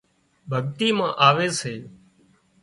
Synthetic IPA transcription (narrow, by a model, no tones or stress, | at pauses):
bʱəɠt̪iːmãːʔaːʋeːseː